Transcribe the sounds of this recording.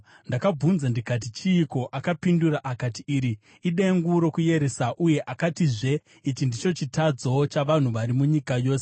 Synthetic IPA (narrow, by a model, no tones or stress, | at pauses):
ndakab͡vunzandikat̬it͡ʃiːko̞ʔakapinduraʔakatiiːɾi | iɗeŋɡuɾo̞kuje̞ɾesaʔuje̞ʔakatiʐe̞ | it͡ʃindit͡ʃo̞t͡ʃitad͡zoot͡ʃaʋan̤uʋaɾimuɲikajo̞ːse